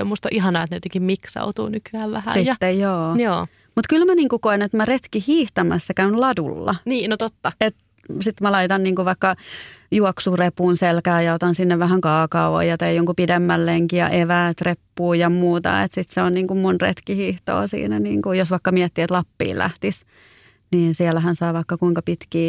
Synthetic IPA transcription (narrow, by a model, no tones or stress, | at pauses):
o̰must̪oʔiɦɑnɑːet̪neyt̪ːikimmiksɑ̰ut̪ṵːnykyæːʋʋæhæssijɑːejjoːjoː | mut̪kylmæniːŋkukoinet̪mæret̪kihiːht̪ɑmæsːækæynlɑdulːɑ̰niːnot̪ot̪ːɑet̪ | sit̪mælɑit̪ɑnniːŋkuʋɑikːɑjuɔksurepuːnselkæːjɑot̪ɑnsinːeʋʋæhæŋkɑːkɑuʋo̰jɑt̪eijoŋkupidemːælleŋkijɑ̰ʔeʋæːt̪repːuːjɑmuːt̪ɑ̰ḛt̪sit̪seonniːŋkummunrḛt̪kihiːht̪o̰ːsḭːnænḭːŋkujosʋɑikːɑmiɛt̪ːiet̪lɑpːḭːlæ̰ht̪is | niːnsiɛlæhænsɑːʋɑikːɑkuiŋkɑpit̪kiː